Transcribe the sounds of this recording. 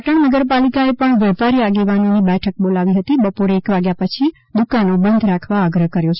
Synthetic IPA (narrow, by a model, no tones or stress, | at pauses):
əʈəɳnəɡəɾpalikaepəɳʋjɛpaɾiaɡeʋanonibɛʈʰək̚bolaʋiɦət̪ibəpoɾeːkʋaɡjapət͡ʃʰi | d̪ukanobə̃nd̪ʱɾakʰʋaːɡɾəɦkəɾjot͡ʃʰ